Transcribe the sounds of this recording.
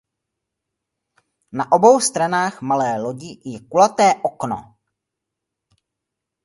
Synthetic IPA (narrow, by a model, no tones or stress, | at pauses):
naʔobo̞wst̪ɾanaːxmalɛːloɟɪjɛkulat̪ɛːʔokno̰